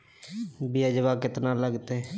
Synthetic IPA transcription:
bɪəd͡ʒʋaːkɪt̪naːləɡt̪eː

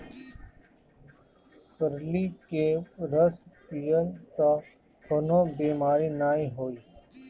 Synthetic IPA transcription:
pəɾliːkeɾəspijəlt̪a | kʰʊnoːbiːmaːɾiːnaːiːɦoːiː

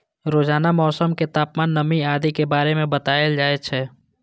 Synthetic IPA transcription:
ɾoːd͡ʒaːnamɔːsəmket̪aːpmaːnːəmiaːd̪ikebaːɾemẽbət̪aːjəld͡ʒaːet͡ʃʰɛː

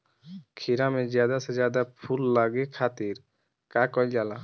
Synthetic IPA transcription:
kʰiɾamẽzjaːd̪ased͡ʒjaːd̪apʰulːaɡekʰaːt̪iɾ | kaːkɔild͡ʒaːla

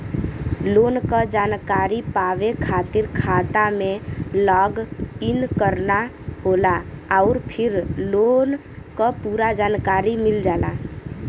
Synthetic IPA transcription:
loːnkəd͡ʒaːnkaɾipaʋekʰat̪iɾkʰat̪amẽlɔːɡinkəɾna | ɦolaaʊɾpʰɪɾlon | kəpuɾad͡ʒaːnkaɾimild͡ʒaːla

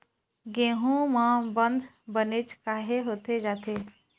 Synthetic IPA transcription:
ɡẽːɦũmãbə̃nd̪ʱ | bənet͡ʃkaːɦeɦoːt̪ed͡ʒaːt̪ʰe

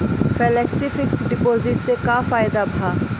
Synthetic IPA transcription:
fɛlɛːksifɪksɖɪpoːzɪʈsekafaːjd̪abʱaː

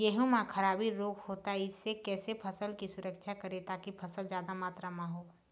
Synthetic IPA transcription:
jeɦũmãkʰɐɾaːbiɾoːkʰhoːt̪aɦɛɪsːekɛːsepʰɐsəlkisʊɾəkʃʰakɐɾet̪aːkipʰɐsəlzjaːd̪amaːt̪ɾamãɦoː

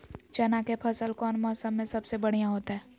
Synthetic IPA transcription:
t͡ʃɐnakepʰəsəlkɔːnmɔːsəmːẽsɐbsebɐɽijãɦoːt̪aɦɛː

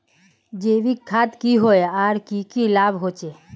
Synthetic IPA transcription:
d͡ʒeːʋikʰːaːt̪kiɦoeaːɾkikilaːbɦoːt͡ʃe

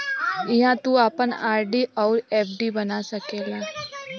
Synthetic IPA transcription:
ɪɦãːt̪uaːpənaːɾɖiːʔɔːɾɛːp̚ʰɖiːbənaːsəkeːlaː

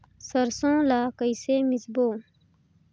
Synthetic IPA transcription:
səɾsõːlaːkəjseːmisboː

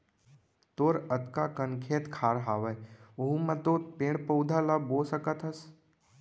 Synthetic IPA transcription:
t̪oːɾət̪kakənkʰeːt̪kʰaːɾɦaːʋəjuɦumɐt̪oːtpẽːɽpəwd̪ʱalaboːsəkət̪əs

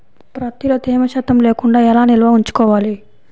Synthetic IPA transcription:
pɾɐt̪iloːt̪eːmɐʃɐt̪ːɐmleːkuɳɖaːɛlaːnilɐʋɐuɲt͡ʃu̥kɔːʋaːli

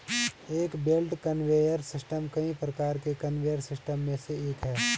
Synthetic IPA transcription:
eːkbelʈkənʋeːjəɾsɪsʈəmkɐɦĩpɾəkaːɾkekɐnʋeːəɾsɪsʈəmːẽseeːkɦɛː

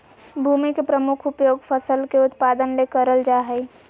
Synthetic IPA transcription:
bʱumikepɾəmukʰupjoːɡpʰəsəlkeʊt̪pad̪ənlekəɾəld͡ʒaɦə

